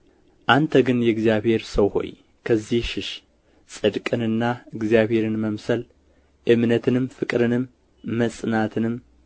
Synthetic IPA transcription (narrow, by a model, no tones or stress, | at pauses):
ʔant̪ʰəɡɨnjɛɨɡzijaβhe̞ɾsɐwho̞̰j | kʰəzːihʃɪʃ | sʼɨd̪kʼɨnɨnːaɨɡzijaβhe̞ɾɨnməmsɐl | ʔɨmnɐt̪ʰɨnɨmfɨkʼɾɨnɨmː | ɐsʼnat̪ʰɨnɨm